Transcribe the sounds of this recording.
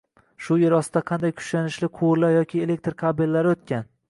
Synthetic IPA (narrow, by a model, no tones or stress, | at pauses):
ʃʊjeɾɒsɪd̪aqʰɑnd̪ajkʰʊ̥ʃlanɪʃlɪqʰʊwɾlaɾjɒkʲʰɪele̞k̚ʲt̪ɾkʰabɪlːaɾɪot̪̚kʲan